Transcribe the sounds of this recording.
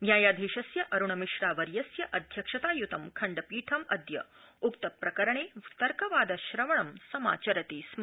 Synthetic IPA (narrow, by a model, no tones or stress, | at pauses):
njaːjaːd̪ʱiːʃɐsjɐʔɐɾuɳɐmiʃɾaːʋɐɾjɐsjɐʔɐd̪ʱjɐkʂɐt̪aːjut̪ɐmkʰɐɳɖɐpiːʈʰɐmɐd̪ʱjɐ | ukt̪ɐpɾɐkɐɾɐɳeːt̪ɐɾkɐʋaːd̪ɐʃɾɐʋɐɳɐmsɐma̰ːt͡ʃɐɾɐt̪iːsm